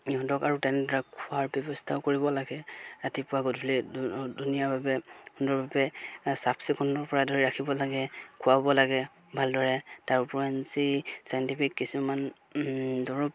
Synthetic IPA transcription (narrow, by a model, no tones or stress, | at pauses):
iɦɔdɔkaɹutɛnɛdɔɹakʰʊaɹbɛbɔstʰaʊkoɹibɔlaɡɛɹatipʊwaɡɔtbulidunijaɹbabɛkʰʊndɔɹbabɛsapsikʰundɔɹpɔɹadʱɔɹiɹakʰibɔlaɡɛkʰʊwabɔlaɡɛ | bʱaldɔɹɛtaɹupɔansisajɔntipʰikːisuman | dɔɹɔp